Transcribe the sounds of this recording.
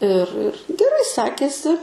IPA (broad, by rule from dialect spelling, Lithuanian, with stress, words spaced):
ɪr ɪr ɡʲɛˈrɐɪ ˈsʲæːkʲeːsʲɪ